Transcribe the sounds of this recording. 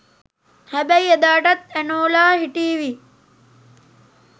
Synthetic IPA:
hæbæjed̪aːʈat̪ænoːlaːɦiʈiːʋi

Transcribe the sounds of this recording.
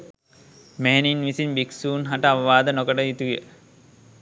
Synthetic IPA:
meeninʋisinbiksuːnɦaʈəaʋɐʋaːd̪ənokəʈəit̪ujə̰

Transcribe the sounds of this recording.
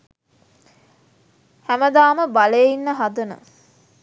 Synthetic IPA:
hæməd̪aːməbaleinːəɦad̪ənə̰

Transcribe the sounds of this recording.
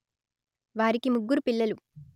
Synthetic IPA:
ʋaːɾikimuɡːuɾupiɭːɐlu

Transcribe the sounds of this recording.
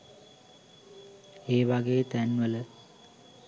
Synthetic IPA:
eːʋaɡejt̪ænʋələ

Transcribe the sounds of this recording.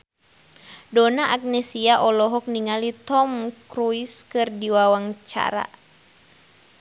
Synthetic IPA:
dɔnaʔak̚nɛsiaʔɔlɔɦɔk̚niŋalit̪ɔmkɾuiskɨrdiwawaŋt͡ʃa̰ɾa̰

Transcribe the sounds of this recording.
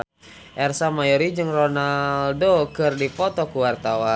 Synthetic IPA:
ʔɛrsamajoɾid͡ʒɨŋronaldokɨrdipɔt̪ɔkuwart̪awa

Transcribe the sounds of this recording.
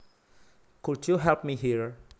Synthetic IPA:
kudjuɦɛlp̚miɦiɹ

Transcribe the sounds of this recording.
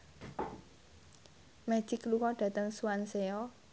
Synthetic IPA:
mɛ̥ʒ̥ɪklukɔɖ̥ä̤t̪əŋsuanseɔ

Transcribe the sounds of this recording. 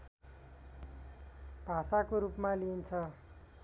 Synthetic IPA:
b̥ʱasakoɾupmalint͡sʰʌ

